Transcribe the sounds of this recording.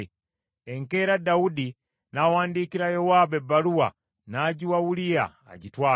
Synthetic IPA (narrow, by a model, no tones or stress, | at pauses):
eŋke̞ɾadaudi | nawaːndiːkiɾajowaːbebːaluwa̰ | naːɟiwawulija̰ːɟitwaː